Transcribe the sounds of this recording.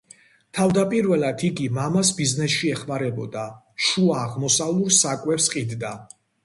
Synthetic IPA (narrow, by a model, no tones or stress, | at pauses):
t̪ʰavd̪apʼiɾvɛlˠad̪ʰiɡimamasbiznɛsʃiɛχmaɾɛbɔ̰d̪a | ʃuaːʁmɔsalˠuɾsakʼwɛpsqʼid̪d̪a